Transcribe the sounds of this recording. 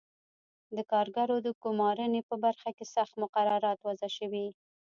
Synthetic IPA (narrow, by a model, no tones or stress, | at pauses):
d̪əkɑɾɡaɾod̪əɡʊmɑɾənepəbaɾxakesaxt̪mʊqaɾaɾɑt̪wazaʃəwi